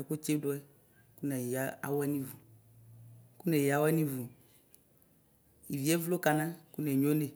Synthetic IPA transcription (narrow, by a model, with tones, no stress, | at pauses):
ɛ˨ku˦t͡ʃe˦dʊ˦ɛ˦ | ku˦nɛ˨ja˨˦a̰˨wɛ˦nĩ˦vu˨ | ku˦nɛ˨ji˨a˨˦wɛ˦nĩ˦vu˨ | i˨vi˨ɛ˦vlo˦ka˨nã˦ku˦nɛ˨ɲõ˦ne˨